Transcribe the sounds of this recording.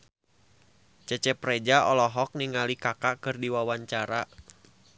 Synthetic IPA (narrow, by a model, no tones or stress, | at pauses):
t͡ʃət͡ʃɛpɾɛd͡ʒaɔlɔɦɔk̚niŋalikakaʔkɨrdiwawaɲt͡ʃaɾa